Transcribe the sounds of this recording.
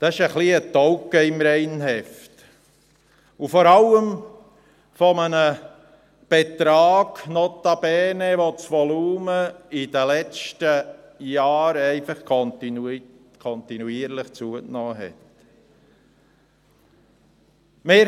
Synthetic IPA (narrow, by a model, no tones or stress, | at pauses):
d̪̥ɑɪʃəχliətɔwkəɪmɾɛɪnɦɛft | ufɔɾɑlːəm | fɔmənə | b̥et̪ɾɑːɡ̥nɔt̪ɑb̥ɛːnɛʋot͡sʋɔluːməidəlɛt͡ʃtə | jɑːɾɛɪfɑχkɔnti | kʰɔnt̪inuiːəɾləχt͡suəknɑːɦɛ̰t | mɪ